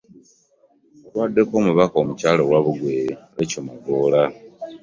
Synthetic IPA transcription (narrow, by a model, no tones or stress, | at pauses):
wadːe̞ko̞ːmuβakoːmucaːlowaβuɡweβecomaɡola